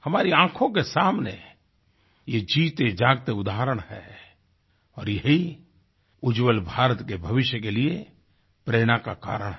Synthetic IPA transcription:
hɐmaːɾiãːkʰõkesaːmnḛ | jed͡ʒiːt̪ed͡ʒaːɡt̪eʊd̪aːɦəɾəɽ̃hɛ̰ː | ɔːɾjɐɦi | ʊd͡ʒwəlbʱaːɾət̪kebʱɐʋɪʃjəkelie | pɾeːɽ̃akaka̰ːɾəɽ̃ɦ

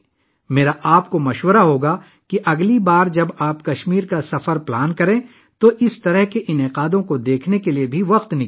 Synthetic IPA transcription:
meːɾaʔaːp̚komɐʃwəɾaɦoːɡa | kiʔɐɡlibaːɾd͡ʒɐbaːpkɐʃmiːɾkasɐfəɾplaːnkɐɾẽː | t̪oʔɪst̪ɐɾəɦkeʔɪnɪqaːd̪õkod̪eːkʰnekeliebʱiʋɐqt̪nɪ

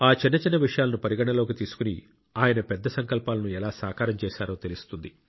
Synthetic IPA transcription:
aːt͡ʃinːɐt͡ʃinːɐʋiʂɐjaːlɐnupɐɾiɡɐɳɐloːkit̪iːsu̥kuni | aːjɐnɐpɛd̪ːɐsɐŋkɐlpaːlɐnuɛlaːsa̰ːkaːɾɐmt͡ʃɛːʃaːɾo̞ːt̪e̞list̪und̪i

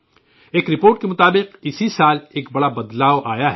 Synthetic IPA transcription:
eːkɾɪpoːɾʈ̚kemʊt̪aːbɪqɪsisaːleːk̚bɐɽabɐd̪laːoʔaːjaɦɛ

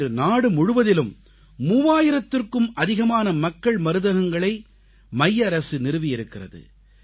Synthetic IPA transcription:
rɯnaːɽɯmʊɻɯʋɐðɪlɯmː | uːʋaːjɪɾɐt̪ːɪrkɯmʔɐðɪɣɐmaːnɐmɐkːɐɭmɐɾɯðɐɣɐŋɡɐɭɐɪ | mɐjːɐɾɐsɯnɪɾɯʋɪjɪɾɯkːɪrɐðɯ̰

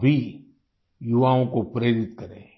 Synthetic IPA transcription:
bʱi | jʊʋaːõkopɾeːɾɪt̪kɐɾḛ̃ː

